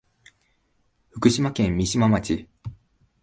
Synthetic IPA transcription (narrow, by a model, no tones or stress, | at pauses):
ɸɯ̟kɯ̟ɕimakẽ̞mːʲiɕimamat͡ɕi